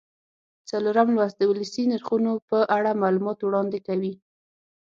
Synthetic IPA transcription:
t͡saloɾamlwasd̪əwʊləsinaɾxunopəʔaɽamalumɑt̪wɽɑnd̪ekawi

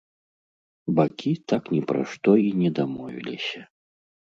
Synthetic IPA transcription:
bakʲit̪aknʲɛpɾa̰ʂt̪ɔinʲɛd̪amɔvʲḭlʲisʲɐ

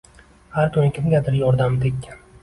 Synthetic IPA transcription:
haɾkʲʰʊnkʲʰɪmɡʲad̪ɪɾjɒɾd̪amd̪ɪk̪ʲ

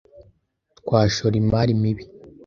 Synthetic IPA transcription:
tkwaːʃoɾimaɾimiβi

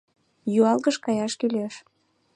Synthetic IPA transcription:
juɑlɣəʃkɑjɑʃkyleʃ

